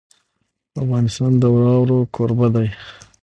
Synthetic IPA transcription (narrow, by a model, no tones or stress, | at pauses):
afɣɑnɪst̪ɑnd̪əwɑwɾokʰoɾbad̪aj